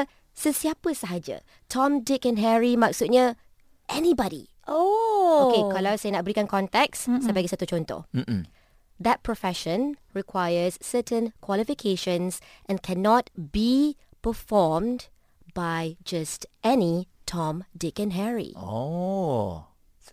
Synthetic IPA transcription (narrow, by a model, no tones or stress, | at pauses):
səsiapəsaɦad͡ʒə̰ | tʰɔ̃mdɪkɛ̃nɦɛɹimaksut̚ɲə | ʔɛnibɔdḭ | ookekalawsanaʔ̚bəɾikãnkʰɔ̃nt̪ɛkssabaɡisat̪ut͡ʃõnt̪o̰m̩ | d̪ɛt̚pʰɹofɛʃə̃nɹikʰwajəsːətʰə̃nkʰwalifikʰeʃə̃nsʔɛ̃nkʰɛnɔt̚bipəfɔmd | bajd͡ʒastʔɛni | tʰɔ̃mdɪkɛ̃nɦɛɹḭo